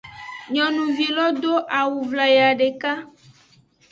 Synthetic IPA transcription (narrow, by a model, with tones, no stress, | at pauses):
ɲɔ̃˨nũ˨vi˨lɔ˦d̪o˦ʔa˨wu˨vla˨ja˨ɖe˨ka˦